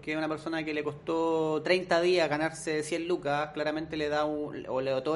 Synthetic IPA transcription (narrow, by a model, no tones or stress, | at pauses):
keunape̞ɾso̞nakeleko̞st̪ot̪ɾejnt̪aðiaɣanaɾsesjenlukaklaɾament̪eleðauoleot̪o